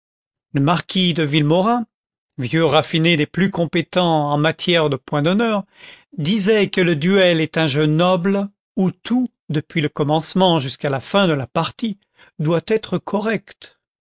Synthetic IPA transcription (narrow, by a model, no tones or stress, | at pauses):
ləmaʁkʲʰid̪əvilmɔʁɛ̃ | vjøʁafined̪eplykɔ̃pet̪ɑ̃ɑ̃mat̪ʰjɛʁd̪əpwɛ̃d̪ɔnœʁ | d̪izɛkələd̪yɛlɛt̪ɛ̃ʒønɔbl | ut̪ʰu | d̪əpɥiləkɔmɑ̃smɑ̃ʒyskalafɛ̃d̪əlapaʁt̪i | d̪wat̪ɛt̪χəkʰɔʁɛkt̪